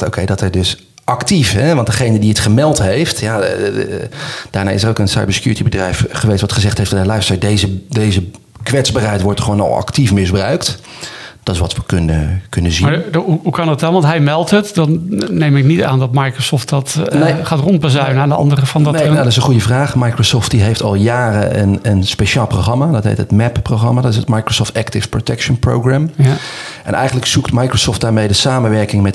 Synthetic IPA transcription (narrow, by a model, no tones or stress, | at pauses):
o̰wkʰejdɑtɛjdɵs | ʔɑktifɦɛʋɑndəχejnədiətχəmɛlˠtɦejftja | d̥aːɹna̰ːɪsərowkənsɑ̰jbəɹsə̥kjuːɹətibədrɛjfχəʋejstʋɑtχəzɛχtɦejfdɑtɛlɛɥstədejzədejzə | kʋɛtzbaːrɦɛjtʋɔɹtχəʋownɑ̰lˠɑ̰ktifmɪzbrœɥkt | d̥ɑtɪsʋɑtʋəkɵnə̰kɵnəzimaɦuɦukɑnət̚dɑnʋɑntɦɛjmɛlˠtɦətdɑnːejmɪknita̰ːndɔtmajkrosɔːftdɔtneχaːtrɔnt̚bazœɥnandəɑ̰ndərəfɔndnenadɪsə̃nχujəvraːχmajkrosɔːft̚diɦejftɑlˠjaːrəənənspeʃaːlˠproχɑmadɔtɦḛjtətmɛppːroχrɑmadɔtɪsətmajkrosoːftɛktɪsprotɛkʃənpro̰wɡrɛm | ʔɛ̰nʔɛ̰jɣəntləksuktmajkrosɔːftdaːɹmejdəsaːmənʋɛɹkɪŋmɛt